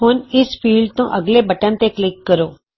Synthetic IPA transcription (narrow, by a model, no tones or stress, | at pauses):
ɦʊnɪspʰiːlɖt̪õːʔəɡleːbəʈənt̪eːklɪkːəɾoː